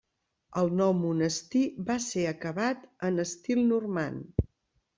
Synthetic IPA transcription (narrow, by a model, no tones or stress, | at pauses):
əlˠnɔwmunəst̪ibaseəkəβat̪ənəst̪ilˠnurma̰n